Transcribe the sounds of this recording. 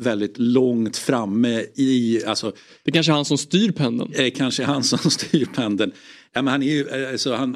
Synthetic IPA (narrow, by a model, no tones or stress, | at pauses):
vɛld̪ɪt̪lɔŋt̪fɾamːə | alsɔ | dd̪ɛkanʂəhansɔmst̪yːɾpʰɛnd̪ə̰nɛkʰanʂəhansɔmst̪ʰyːɾpʰɛnd̪ən | jaːmɛnhanɛɾjɵasɔhan